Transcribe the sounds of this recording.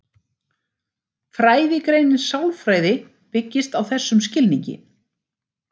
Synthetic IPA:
fɾaːjðɪkɾeːjnɪnsawlfɾaːjðɪ | pɪcːɪst̪awθɛsːʏmscɪlniɲcɪ̰

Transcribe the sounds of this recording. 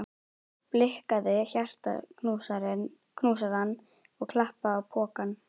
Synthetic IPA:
plɪhkaðɪçjar̥t̪a̰usaɾn | kʰnuːs̬aɾanː | ɔɣkʰlahpaðːwpʰɔːkanː

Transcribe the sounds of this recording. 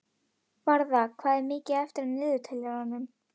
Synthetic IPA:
vaɾðakʰvaːðɪɾmɪːcɪɛft̪ɪɾmnɪːðʏt̪ʰɛlːɛɾanːʏm

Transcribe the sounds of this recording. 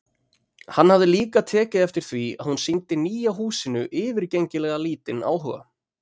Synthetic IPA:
hanːhavðɪliːkat̪ʰɛːcɪðɛft̪ɪɾ̥θvia̰ðhunsint̪ɪniːjaɦuːsɪnʏʔɪːvɪɾ̥cejɲcɪlɛɣaliːt̪ɪna̰ːwɦœ̰ɣa̰

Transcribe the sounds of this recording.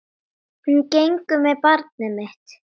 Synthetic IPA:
ncejŋkʏmɛpaɾt̪̚nɛmɪht̪

